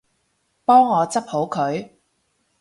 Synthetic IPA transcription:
pɔː˥ŋːɔː˨˧t͡sɐ˥p̚ho˨˥wkʰɵ˨˧ɥ

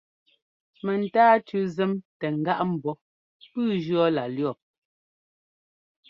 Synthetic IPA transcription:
mɛ˨n̩˨taː˦tʉ˨zɛ˦mtɛ˨ŋ̩˨ɡa˦ʔm̩˨bɔ˦ | pʉː˦d͡ʒɰɔ˦la˨ljɔ˦˨p̚

